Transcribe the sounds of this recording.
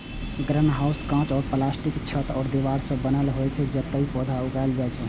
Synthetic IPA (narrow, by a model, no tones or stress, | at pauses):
ɡɾənɦauskãt͡ʃɔɾplasʈikt͡ʃʰət̪ɔːɾd̪iʋaɾsə̃bənəlɦojt͡ʃʰɛd͡ʒet̪ːəipɔd̪ʱauɡajld͡ʒajt͡ʃʰɛ